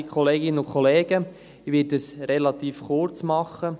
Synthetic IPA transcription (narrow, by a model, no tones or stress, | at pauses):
kʰχɔleːɡɪnːəʊkʰɔleːɡ̥ə | iʋɪəsɾelɑt̪iːfχʊrt͡smɑχːə